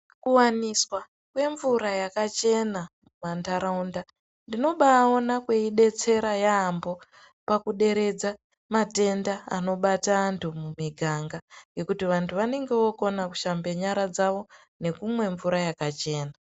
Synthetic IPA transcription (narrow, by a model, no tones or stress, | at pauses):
kuwaniswa | kwe̞ɱvuɾajakat͡ʃe̞namumantaɾaunda | ndino̞ɓaonakwe̞iɗe̞t͡se̞ɾajaːmbo̞ | pakuɗe̞ɾe̞d͡za | mate̞ndaa̰no̞ɓataːntʰumumiɡʱaŋɡaje̞kutiʋantʰuʋane̞ŋɡe̞woko̞naku̥ʃambe̞ɲaɾad͡zaʋo̞ | ne̞kumwe̞ɱvuɾajakat͡ʃe̞ːna